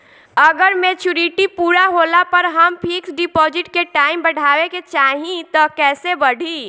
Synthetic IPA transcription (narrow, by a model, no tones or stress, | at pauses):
əɡəɾmet͡ʃuɾiʈipuɾaɦolapəɾɦəmpʰiksɖipɔd͡ʒiʈkeʈaimbəɽ̤ʱaweket͡ʃaɦĩt̪ɔkɛːsebəɽ̤ʱi